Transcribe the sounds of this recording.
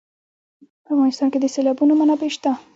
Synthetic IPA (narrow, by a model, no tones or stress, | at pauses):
pəafɣɑnɪst̪ɑnked̪əselɑbunomanapeʃt̪a